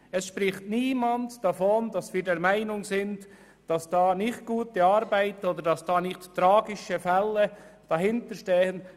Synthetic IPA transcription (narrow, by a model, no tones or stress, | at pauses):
ɛsʃpɾɪχtniːmɑntd̥ɑfɔndɑsviːɾdɛɾmæɪnʊŋsɪnt | d̥ɑsd̥ɑːnɪχt̚ɡ̥uːtiɑɾbæɪtoːdəɾdɑsd̥ɑːnɪχttːɾɑːɡɪʃəfɛlːəd̥ɑhɪntəɾʃteːən